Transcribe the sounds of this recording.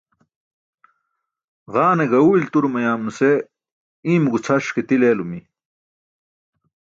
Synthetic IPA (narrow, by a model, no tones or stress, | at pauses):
ʁaːneɡɐuːilt̪uɾumɐjaːmnuse | ĩːmɡut͡sʰɐʂket̪ileːlumi